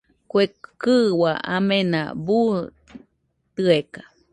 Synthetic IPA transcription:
kʷekɨwaa̰mẽna̰bu | t̪ɨekḁ

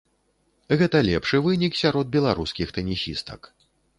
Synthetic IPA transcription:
ɣɛt̪ɐlʲɛpʂɨvɨnʲiksʲaɾɔd̪̚bʲɛlˠaɾuskʲixt̪ɐnʲisʲist̪ɐ̰k

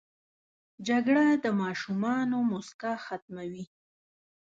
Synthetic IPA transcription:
d͡ʒaɡɽad̪əmɑʃumɑnomʊskaxat̪̚mawi

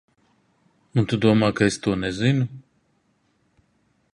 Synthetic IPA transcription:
munt̪ud̪uɔmaːkaest̪uɔnɛzinu

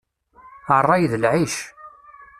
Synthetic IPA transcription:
ərˤːɑjðəlʕiʃ

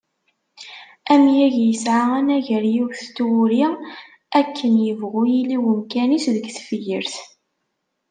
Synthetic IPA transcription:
æmjæʝjəsʕaænæʝəɾjiwθt̪ːwʊɾi | ækʰːənjəvʁujiliwəmkænisðəɡθfəjəɾθ

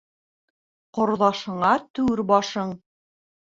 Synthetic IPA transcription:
qŏɾðɑʃɤ̆ɴɑt̪ʉɾbɑʃɤɴ

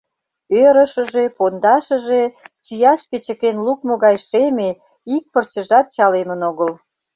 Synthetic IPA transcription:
øɾəʃə̆ʒepond̪ɑʃə̆ʒet͡ɕijɑʃket͡ɕəkenluk̚moɣɑjʃeme | ik̚pərt͡ɕəʒɑt̪̚t͡ɕɑlemənoɣəl

